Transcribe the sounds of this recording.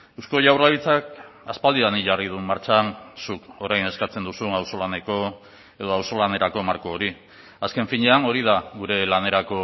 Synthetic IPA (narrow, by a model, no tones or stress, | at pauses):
ewsko̞ʝawraβit͡sakaspald̪iðaniʝarið̞ummaɾt͡ʃansuko̞ɾajne̞skat͡se̞nd̪usunawso̞lane̞ko̞ | e̞ð̞o̞awso̞lane̞ɾako̞maɾko̞ːɾi | aske̞ɱfiɲeano̞ɾið̞aɡuɾe̞lane̞ɾako̞